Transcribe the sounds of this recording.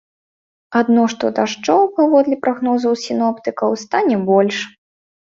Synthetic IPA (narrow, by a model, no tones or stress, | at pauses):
ad̪nɔʂt̪ɔd̪aʂt͡ʂɔwpavɔd̪lʲɛpɾʔaɣnɔzɐwsʲinɔpt̪ɨkɐwst̪anʲɛbɔlʲʂ